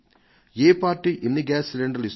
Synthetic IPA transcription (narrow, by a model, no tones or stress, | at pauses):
eːpaːɾʈːiʔɪnːiɡaːsɪleɳɖɐlɪs